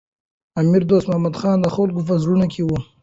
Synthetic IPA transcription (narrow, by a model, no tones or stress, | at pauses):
amiɾd̪oːst̪mʊhamad̪xɑːnd̪əxolkop̬əzɽunakʰewu